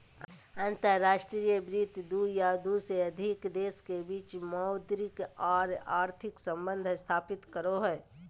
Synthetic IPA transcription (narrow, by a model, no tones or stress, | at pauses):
ə̃nt̪əɾːaːʃʈɾijəbɾiːt̪d̪ujad̪useɐd̪ʱɪkd̪eːskebiːt͡ʃmɔʊd̪ɾɪkaːɾaːɾt̪ʰɪksə̃mbə̃nd̪ʱst̪ʰaːpɪt̪kəɾoɦɛː